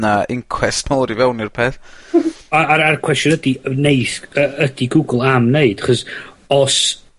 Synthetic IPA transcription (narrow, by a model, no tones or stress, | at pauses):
naɪŋkʰwɛstmɔlˠɾivɛwnirpʰeːθ | aaɾarkʰw̥ɛstjdineɨθəəd̥iɡuɡlˠamneɨd̥aχɔs | ɔs